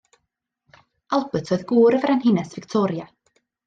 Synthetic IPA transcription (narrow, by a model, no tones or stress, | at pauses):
alˠbətʰɔːɨðɡuːɾəvɾanhɪnɛsvɪktʰɔːɾja